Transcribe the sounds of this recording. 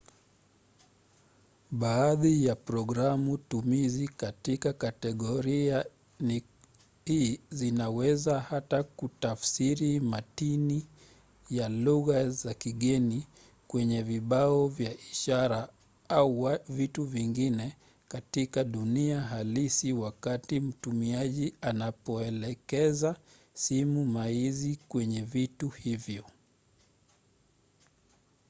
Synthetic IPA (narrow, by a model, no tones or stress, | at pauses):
ɓaːðijapɾɔɡɾamutumizikatikakatɛɠɔɾia | ni | hiːzinawɛzahatakutafsiɾimatini | jaluɣazakiɠɛni | kwɛɲɛviɓaɔvjaʔiʃaɾa | auavituviŋɡinɛ | katikaɗuniaɦalisiwakatim̩tumiaʄianapɔɛlɛkɛza | simumaizikwɛɲɛvituhivjɔ